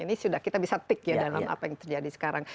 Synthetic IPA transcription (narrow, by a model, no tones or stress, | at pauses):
inisudahkit̪abisat̪ɪkjadala̰ma̰pajaŋt̪ərd͡ʒadisə̥kaɾaŋ